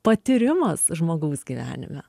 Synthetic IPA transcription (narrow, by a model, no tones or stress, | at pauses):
pɐt̪ʲɪɾʲɪmɐsʒmoːɡɐːsɡʲiːʋʲæ̰ːnʲɪ̰mʲɛ